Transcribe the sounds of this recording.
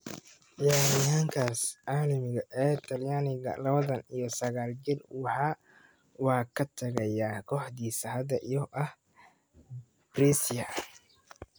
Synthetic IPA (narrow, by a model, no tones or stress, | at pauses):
jaːɾɪjaːŋkʰaːsʕaːlɐmɪɣɐʔɛːt̪ʰɐljaːnɪɣɐ̰lɐβɐðɐnijɔsɐɣaːld͡ʒɪrwɑħaː | wɑːkʰɐt̪ʰɐɣɐjaːkʰɔːħd̪iːsɐɦɐd̪ɐʔijɔʔɐh | brisjɐ